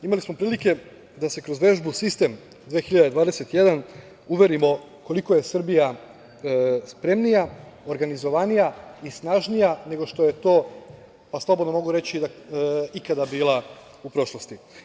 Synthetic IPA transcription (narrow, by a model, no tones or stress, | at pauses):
imalismo̞pɾiːlike̞ | d̪ase̞kɾo̞zʋe̞ʒbusist̪e̞m | d̪ʋeːxiʎad̪ed̪ʋaːd̪ese̞t̪je̞d̪an | uʋe̞ɾimo̞ | ko̞liko̞je̞sr̩bija | spɾe̞mnijaoɾɡanizo̞ʋanijaisnaʒnijane̞ɡo̞ʃt̪o̞je̞t̪o̞ː | paslˠobo̞d̪nomo̞ɡuɾe̞t͡ɕid̪aikad̪abiːlˠa | upɾo̞ʃlost̪i